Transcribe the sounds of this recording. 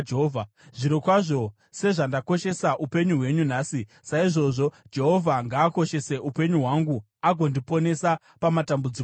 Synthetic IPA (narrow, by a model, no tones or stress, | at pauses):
d͡ʒɦovʱa | ʐiɾokwaʐo̞ | se̞ʐandako̞ʃe̞saʔupe̞ɲuɦwe̞ɲunaːsi | saiʐo̞ʐo̞d͡ʒe̞ɦo̞vʱaŋɡaːko̞ʃe̞se̞ʔupe̞ɲuɦwaŋɡu | aɡʱo̞ndipo̞ne̞sa | pamatambud͡zi